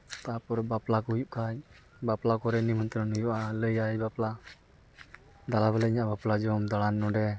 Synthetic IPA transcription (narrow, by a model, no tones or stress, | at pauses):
t̪apɔɾbaplakɔjuʔ̚kaɲ | baplakɔɾɛnimɔnt̪ɾanujuʔaləjajbapla | d̪alabɛlɛiɲaʔbaplad͡ʒɔmd̪aɽanːɔɖɛ